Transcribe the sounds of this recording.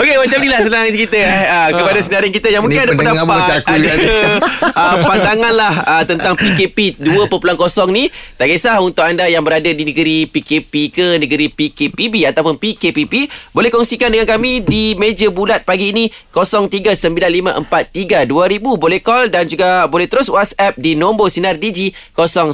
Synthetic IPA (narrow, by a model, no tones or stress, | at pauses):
okemat͡ʃamnilahsənãŋkit̪əəkəpadasənaɾɪnkit̪əjaŋmũŋkɪnadapəndabak | ʔəpandaŋãnlahət̪ənt̪aŋpikepiduəpəpulankosɔŋnit̪aɡesahunt̪ʊk̚andajaŋbəɾadadinəɡəɾipikepikənəɡəɾipikepibiat̪awpʊnpikepipibolɛhkɔŋsikandəŋankamĩdimed͡ʒəbulat̪̚paɡiːnikosɔŋt̪iɡasəmbilanlimã̰ʔəmpat̪ːiɡaduaɾibubolɛhkɔldand͡ʒuɡabolɛht̪əɾʊswatsɛp̚dinombosinardid͡ʒikosɔŋ